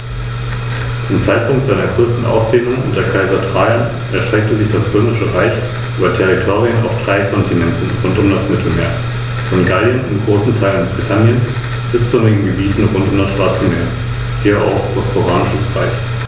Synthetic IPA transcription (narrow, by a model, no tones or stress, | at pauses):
t͡sʊmt͡saɪt̚pʰʊŋ̚tz̥aɪnɐɡʁøːstn̩ʔa̰ʊsd̥eːnʊŋʔʊntɐkʰaɪzɐdʁ̥aɪan | ʔɛɐʃtʁ̥ɛk̚təzɪçd̥asb̥ʏmɪʃəʁaɪç | ʔyːbɐtʰɛʁ̞itʰoːʁiəna̰ʊfd̥ʁaɪkʰɔntʰinɛntn̩ʁʊntʊmdasmɪtʰl̩meːɐ | fɔnɡaljənɪmɡʁoːsn̩tʰaɪlənb̥ʁitʰanjəns | b̥ɪst͡sɪnɪɡŋ̩ɡəbiːtn̩ʁʊntʊmdasʃv̥aɐt͡səmeːɐ̥ | shiːɐa̰ʊxɔspoʁaːnɪʃəsʁa̰ɪç